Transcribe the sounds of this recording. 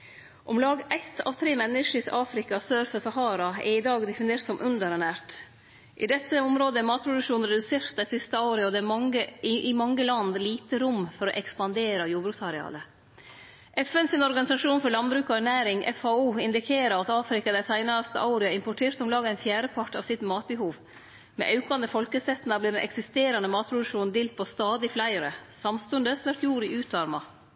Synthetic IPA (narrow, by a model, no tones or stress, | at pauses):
ʔɔmlɑːɡʔæɪt̪ʰːɑ̰ːʋt̪ʰɾeːmɛnːəʂəsɑːfɾɪkɑsøːɾfəsɑhɑːɾɑɛ̰ɾɪd̪ɑːɡd̪ɛfɪneːɾt̪sɔmʔʉnd̪əɾɛnæːɾʈ | ʔɪ̰d̪ɛt̪ːəɔmɾoːd̪əɛmɑːt̪̚pʰɾʊd̪ʉkʂuːnɾɛd̪ʉseːɾt̪̚d̪æɪsɪst̪əɑʊɾɪɔd̪ɛːmɑŋəɪʔɪmɑŋːəlɑnd̪liːt̪əɾʊmːfɔɾɔʔɛkspɑnd̪eːɾɑjuːbɾʉːksɑɾɛɑ̰ːlə | ʔɛfɛnsɪnɔɾɡɑnɪsɑʂuːnfɔɾɭɑnbɾʉːkɔænæːɾɪŋʔɛ̰fɑuːɪnd̪ɪkʰeːɾəɾɑt̪ɑːfɾɪkɑd̪æɪt̪ʰæɪnɑst̪ə̰ʔɑʊɾɪɑɪmpɔʈʰeːɾt̪ɔmlɑːɡæɪnfjæːɾəpʰɑʈɑ̰ʋsɪt̪mɑːt̪̚bəhuːʋ | mɛ̰ʔɑʉkɑnd̪əfɔlkəsɛt̪ːnɑbliːɾɛnʔɛ̰ksɪst̪eːɾɑnəmɑːt̪̚pʰɾʊd̪ʉʂuːnd̪ɪːlt̪̚pʰɔst̪ɑːd̪ɪflæɪəɾəsɑmst̪ʉnd̪əsʋæʈ̪juːɾɪʔʉːt̪ɑɾmɑ